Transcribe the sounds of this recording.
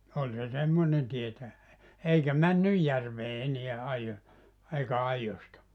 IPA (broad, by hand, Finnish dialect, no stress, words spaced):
olʲ se semːonen tietæj̆æ eikæ mænːyj jærʋeː eneæ ɑijo eikæ ɑijostɑ